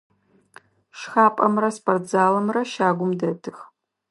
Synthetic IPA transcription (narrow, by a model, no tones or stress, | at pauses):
ʃxaːpʼɐmrɐspʰʼɐrd͡zaːlɐmrɐʃaːɡʷʊmdɐtʰɨx